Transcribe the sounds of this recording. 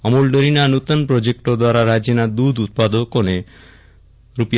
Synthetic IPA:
ɔmulɖoɾinanut̪ɔnpɾod͡ʒek̚ʈɔd̪waɾaɾad͡ʒinad̪ud̪ut̪̚pad̪okone | ɾupij

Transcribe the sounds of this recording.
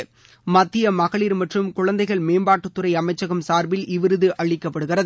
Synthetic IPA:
mɐt̪ːɪjɐmɐɣɐɭiːɾmɐʈrɯmkʊɻɐnd̪ɐɪɣɐɭmeːmbaːʈːɯt̪ːɯɾɐɪɐmɐɪt͡ʃːɐɣɐmsaːɾbɪlʔɪʋɪɾɯðɯʔɐɭɪkːɐpːɐɽɯɣɪrɐð

